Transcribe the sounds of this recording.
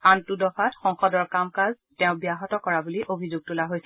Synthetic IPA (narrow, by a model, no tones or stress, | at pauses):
antudɔfʰatxɔŋxɔdɔɹkamkaz | tɛʊ̃bijaɦɔtɔkɔɹabuliʔobʱizuɡ̚tulaɦojsɛ